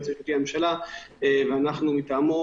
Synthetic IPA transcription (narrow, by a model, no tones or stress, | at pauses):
t͡siʃut̪ihamemʃalaeveanaχnumit̪amu